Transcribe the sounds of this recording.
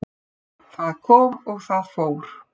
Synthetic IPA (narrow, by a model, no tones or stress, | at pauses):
θaðkʰɔːmɔɣθaðfoːwɾ̥